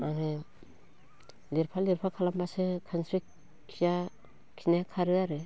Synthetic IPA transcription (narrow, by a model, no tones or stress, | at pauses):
maŋɯ | liɾpʰaliɾpʰakʰalambasɯkʰanstɾik | kʰija | kʰinakʰaɾɯaɾɯ